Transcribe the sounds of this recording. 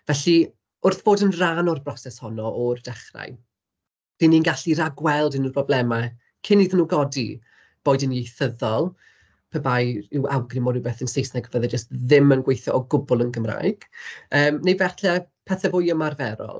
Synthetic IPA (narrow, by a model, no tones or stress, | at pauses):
vɛɬi | ʊrθb̥oːdənranɔrbrɔsɛshɔnɔʔɔrd̥ɛχra̰j | v̥ininɡaɬiɾaɡwɛlˠdɪnərpʰrɔblˠɛma | kʰɪniːðnuːɡɔdi | b̥oːɨdɪnjejθəðɔlˠ | pʰəbajɪwʔawɡrɪmɔːdɪwbɛθənsejsnajɡvəðɛd͡ʒəstðɪmənɡwejθjɔʔɔɡʊbʊlˠənɡəmra̰jɡ̥əːmnejvɛθɛpʰɛθɛvʊjəmarvɛɾɔ̰lˠ